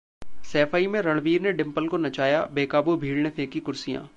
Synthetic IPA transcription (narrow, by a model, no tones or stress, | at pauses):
sɛːfaːimẽɾɐɭʋiːɾneɖɪ̃mpəlkonɐt͡ʃaːjabeːkaːbubʱiːɽɳefẽːkikʊɾsijã̰ː